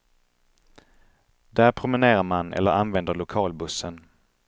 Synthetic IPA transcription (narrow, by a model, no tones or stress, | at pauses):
d̪̥æːɾpʰɾʊmɪneːɾaɾmanʔɛ̰lːəɾanvɛnd̪əɾɭʊkʰɑːlbɵsːən